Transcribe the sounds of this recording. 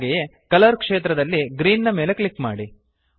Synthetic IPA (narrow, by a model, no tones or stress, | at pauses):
ɡeje | kɐlɐɾkʂeːt̪ɾɐd̪ɐlːiɡɾiːnːɐme̞ːle̞klikːma̰ːɽi